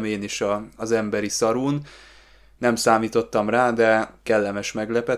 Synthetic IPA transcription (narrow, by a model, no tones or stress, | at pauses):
meːniʃɒːzɛmbɛɾisɒɾuːnː | ɛmsaːmiːt̪o̞t̪ːɒmraːd̪ɛkɛlːɛmɛʃmɛɡlɛpɛ